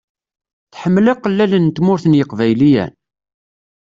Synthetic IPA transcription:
θħəmːlɑqːəlːælənt̪mʊɾθənjəqvæjlijæ̰n

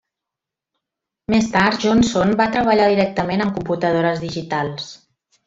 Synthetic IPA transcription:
mest̪aɾt̪ʒɔnsonbat̪ɾəβ̞əʎaðiɾɛk̚t̪əmenəmkumput̪əð̞oɾəzðiʒit̪alˠs

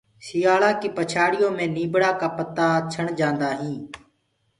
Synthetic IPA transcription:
sɪjaːlãːkiːpət͡ʃʰaːɽɪjõːmẽːniːbɽaːkaːpət̪aːt͡ʃʰəɳd͡ʒãːnd̪aːɦĩː

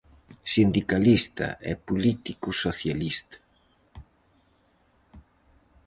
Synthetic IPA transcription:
sind̪ikalist̪ɐ̰ʔɛ̰pulit̪ikusoθjalist̪ɐ̥

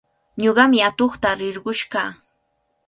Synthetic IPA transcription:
ɲoɢɑmɪat̪oχt̪aɾɪɾɢʊʃɢɑː

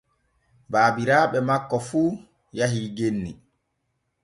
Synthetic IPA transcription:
baːbiɾaːɓɛmakːɔfuː | jaɦiːɡenːi

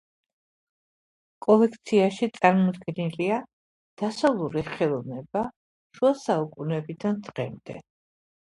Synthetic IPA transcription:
kʼɔlɛkʰt̪sʰiaʃit̪sʼaɾmɔd̪ɡɛnilia | d̪̥asavlˠuɾiχɛlˠɔvnɛba | ʃuasaukʼunɛbid̪anʼʁɛmd̪ɛ̰

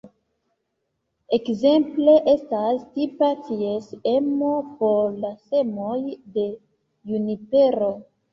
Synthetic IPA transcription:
ekze̞mple̞ʔe̞stastipatiesemo̞poɾlase̞mojde̞ | junipe̞ɾo

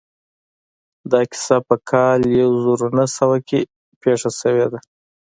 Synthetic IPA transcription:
d̪ɑkɪ̥sapəkʰɑljawzuɾunasəwake | peʂasəwed̪a

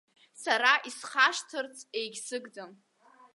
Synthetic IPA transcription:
saɾaʔisχaʃtʰɨrt͡sʰʼe̞jɡʲsɨɡdɨm

